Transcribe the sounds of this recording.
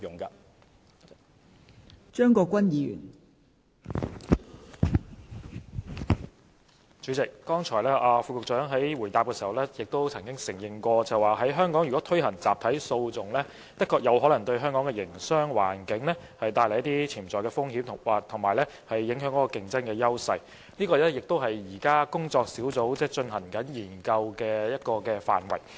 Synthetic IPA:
jʊ˨ŋka˧ | t͡ʃœː˥ŋkɔː˧kʷɐ˥njiː˨˧jy̰ː˨˩n | t͡ʃyː˨˥t͡sɪ˨kːɔː˥ŋt͡ʃʰɔː˨˩jlɛː˥ʔaː˧fuː˧kʊ˨k̚t͡sœː˨˥ŋɦɐ˨˥jwuː˨˩jt̪aː˨p̚kɛː˧siː˨˩hɐ˨wlɛː˥jɪ˨k̚t̪o˥wt͡sʰɐ˨˩ŋkɪ˥ŋsɪ˨˩ŋjɪ˨˩ŋkʷɔː˧t͡sɐ˨˩waː˨˩ɦɐ˨˥jɦœː˥ŋkɔː˨˥ŋjy˨kɔː˨˥t̪ʰɵ˥ɥɦɐ˨˩ŋt͡saː˨p̚t̪ʰɐ˨˥jso˧wt͡sʊ˨ŋlɛː˥ | t̪ɐ˥kʰːɔː˧k̚jɐ˨˧whɔː˨˥lɐ˨˩ŋt̪ɵ˧ɥɦœː˥ŋkɔː˨˥ŋkɛ˧jɪ˨˩ŋsœː˥ŋwa̰ː˨˩nkɪ˨˥ŋlɛ˥ | hɐ˨jt̪aː˧jljɐ˥t̪i˥t͡sʰiː˨˩mt͡sɔː˨˩kɛː˧fʊ˥ŋhiː˨˥mʰ˨˩waː˨˩t̪ʰʊ˨˩ŋmaː˨˩jlɛ˥ | hɐ˨jːɪ˨˥ŋɦœː˨˥ŋkɔ˨˥kːɔː˧kɪ˧ŋt͡sɐ˥nkɛː˧jɐ˥wsɐ˧j | niː˥kɔː˧lɛː˥jɪ˨k̚t̪o˥wɦɐ˨jːiː˨˩kaː˥kʊ˥ŋt͡sɔː˧k̚siː˨˥wt͡so˨˥wt͡sɛː˥t͡ʃɵ˧nhɐ˨˩ŋkɐ˨˥njiː˨˩nkɐ˧wkɛː˧jɐ˥t̚kɔː˧kɛː˧fa̰ː˨nwɐ˨˩j

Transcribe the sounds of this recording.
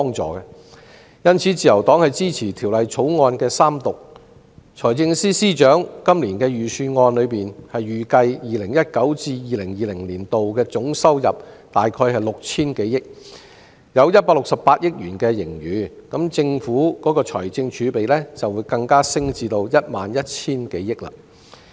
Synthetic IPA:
pɔː˥ŋt͡sɔ̰ː˨˩kɛ˧ | jɐ˥nt͡sʰiː˨˥t͡siː˨˩jɐ˨˩wt̪ɔː˨˥ŋhɐ˨jt͡siː˥t͡sʰiː˨˩t̪ʰiː˨˩wlɐ˨jt͡sʰo˨˥wŋɔː˧nkɛː˧saː˥mt̪ʊ˨k̚ | t͡ʃʰɔː˨˩jt͡sɪ˧ŋsiː˥siː˥t͡ʃœː˨˥ŋkɐ˥mliː˨˩nkɛː˧jyː˨˩syː˧ŋɔː˧nlɵ˨˧ɥpiː˨nhɐ˨jyː˨kɐ˧jjiː˨lɪ˨˩ŋjɐ˥t̚kɐ˨˥wt͡siː˧jiː˨lɪ˨˩ŋjiː˨˩lɪ˨˩ŋliː˨˩nt̪o˨wkɛː˧t͡sʊ˨˥ŋsɐ˥wjɐ˨p̚ | t̪aː˨jkʰɔː˧jɦɐ˨jlʊ˨k̚t͡sʰiː˥nke˨˥jjɪ˥k̚ | jɐ˨˧wjɐ˥t̚paː˧k̚lʊ˨k̚sɐ˨pːaː˧t̚jɪ˥k̚jyː˨˩nkɛː˧jɪ˨˩ŋjyː˨˧kɐ˨˥mt͡sɪ˧ŋfuː˨˥kɔː˨˥kɔː˧t͡ʃʰɔ̰ː˨˩jt͡sɪ˧ŋt͡ʃʰyː˨˧pe˨jlɛː˥t͡sɐ˨wːuː˨˧˥jkɐ˧ŋkaː˥sɪ˥ŋt͡siː˧t̪o˧wjɐ˥t̚maː˨njɐ˥t̚t͡sʰiː˥nke˨˥jːɪ˥k̚la̰ː˧˩

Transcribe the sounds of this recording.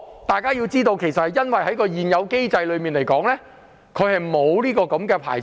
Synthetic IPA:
t̪aː˨jkaː˥jiː˧wt͡siː˥t̪o˧wkʰe˨˩jsɐ˨t̚hɐ˨jːɐ˥nwɐ˨jhɐ˨˥jkɔː˧jiː˨njɐ˨˧wke˥jt͡sɐ˧jlɵ˨˧ɥmiː˨˩nle˨˩jkɔː˨˥ŋlɛː˥ | kʰɵ˨˧hɐ˨jmo˨˧wliː˥kɔː˧kɐ˨˥mkɛː˧pʰa̰ː˨˩j

